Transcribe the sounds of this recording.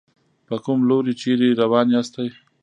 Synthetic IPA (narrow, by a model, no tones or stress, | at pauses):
pəkʊmloɾit͡ʃeɾiɾawɑːniast̪aj